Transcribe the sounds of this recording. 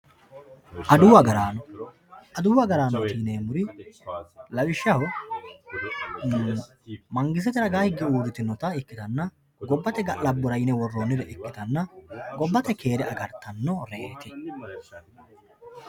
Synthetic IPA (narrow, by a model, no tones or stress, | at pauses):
ʔɐd̪ʊwɐɡɐɾaːnɔ | ʔɐd̪ʊwɐɡɐɾaːnɔt̪iːneːmʊɾɪ | lɐwɪʃːɐhɔ | mɐŋɡɪs̬ɛt̪ɛɾɐɡaːhɪɡːɛuːd̪ɪt̪ɪnɔt̪ɐɪkːɪt̪ɐnːɐ | ɡɔbːɐt̪ɛɡɐlɐbːʊɾɐjnɛwɔrːoːnːɪd̪ɛʔɪkːɪt̪ɐnːɐɡɔbːɐt̪ɛke̞ːɾɛɐɡɐɾt̪ɐnːɔɾeːt̪ɪ